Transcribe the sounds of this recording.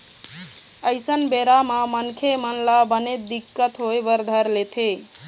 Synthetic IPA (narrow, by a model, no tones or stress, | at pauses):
əjsənbeɾamamənkʰemənlabənet̪̚d̪ikːət̪ɦojbəɾd̪ʱəɾlet̪ʰe